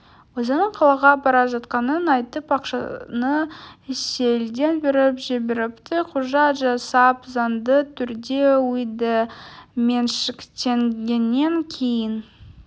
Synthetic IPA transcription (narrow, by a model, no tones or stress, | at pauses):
wosənəɴqʰɑlˠɑʁɑbɑɾɑʒɑt̪qɑnənɑjt̪əpbɑqʃɑ̰nəse̞ld̪e̞nbɪɾɪpʒebeɾɪpt̪ɪqʰʊʒɑt̪ʒɑsɑpzɑnd̪ət̪ʰʏɾd̪e̞ujd̪əme̞nʃɪkʲt̪eŋɡʲenːe̞ŋkʲʰejɪn